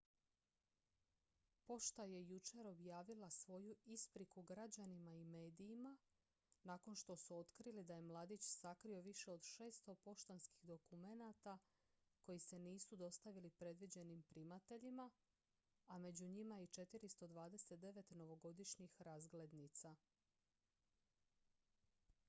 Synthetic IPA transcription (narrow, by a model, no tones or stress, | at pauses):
po̞ʃt̪aje̞jut͡ʃeɾo̞bjaːʋilasʋo̞juispɾikuɡɾad͡ʑanimaime̞ːd̪iːma | naːko̞nʃt̪o̞suo̞t̪kɾilid̪aje̞mlˠaːd̪it͡ɕsakɾio̞ʋiʃe̞o̞d̪ʃe̞ːst̪o̞po̞ʃt̪anski̥xd̪o̞kume̞nat̪a | ko̞jise̞niːsud̪o̞st̪aʋilipɾe̞d̪ʋid͡ʑe̞nimpɾimat̪e̞ʎimaː | me̞d͡ʑuɲimait͡ʃe̞t̪iɾist̪o̞d̪ʋaːd̪e̞set̪̚d̪e̞ʋe̞t̪no̞ʋo̞ɡo̞d̪iʃɲixɾazɡle̞d̪nit̪sa